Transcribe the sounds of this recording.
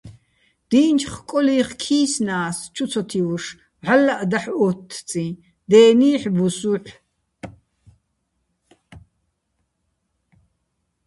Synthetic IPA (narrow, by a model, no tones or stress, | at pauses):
d̪̥iːnt͡ʃʰχkʼɔliːχkʰiːsnaːst͡ʃʰut͡sʰɔt̪ʰiuʂ | ʕalːaʔd̪aħɔt̪ʰːt͡sʼĩ | d̪ɛːniːħbusuħʷ